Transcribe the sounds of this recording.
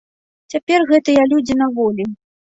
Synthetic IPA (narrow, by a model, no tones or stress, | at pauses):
t͡sʲapʲɛrɣɛt̪ɨjɐlʲud͡zʲinɐvɔlʲi